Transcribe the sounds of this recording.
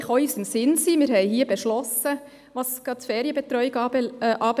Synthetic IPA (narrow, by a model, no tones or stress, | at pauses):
χɔʏsəmsɪnsiːmɪɾhɛɪhiːbɛʃlɔsə | ʋɑskɑtfɛːɾjəbɛt̪ɾɔʏɡʔɑːb